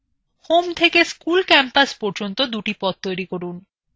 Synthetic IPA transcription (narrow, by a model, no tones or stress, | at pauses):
homt̪ʰekeskulkɛmpaspoɾd͡ʑont̪od̪uʈipɔt̪̚t̪ojɾikoɾun